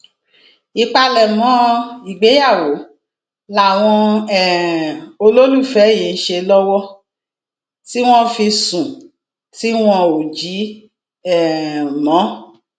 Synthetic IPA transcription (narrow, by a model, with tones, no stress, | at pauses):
i˨k͡pa˧lɛ˨mɔ̃˨˦i˨ɡ͡be˨˦ja˦˨wo˨˦ | la˦˨w̃ɔ̃˧ɛ˨o˧lo˦lu˦˨fɛ˨˦jĩ˨˦n̩˦ʃe˧lɔ˦wɔ˦ | ti˦w̃ɔ̃˦fi˧sũ˨ | ti˦w̃ɔ̃˧o˨d͡ʒi˨˦ | ɛ˦˨mɔ̃˨˦